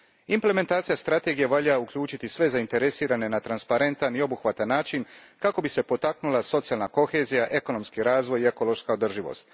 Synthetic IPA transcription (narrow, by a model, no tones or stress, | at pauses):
imple̞me̞nt̪aːt̪sijast̪ɾat̪e̞ɡijeʋaʎaukʎuːt͡ʃit̪isʋe̞zaint̪e̞ɾe̞siːɾane̞nat̪ɾanspaɾe̞nt̪anio̞buxʋat̪anːaːt͡ʃinkako̞bise̞po̞t̪aknulˠaso̞t̪ijalˠnako̞xe̞ːzijaʔe̞ko̞no̞mskiɾaːzʋo̞jie̞ko̞lˠo̞ʃskaod̪r̩ʒiʋo̰st̪